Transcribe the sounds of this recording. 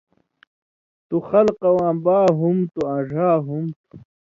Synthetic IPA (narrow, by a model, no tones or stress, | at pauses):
t̪uxɐlqɐwãːbaːɦumt̪uãʐaːɦumt̪u̥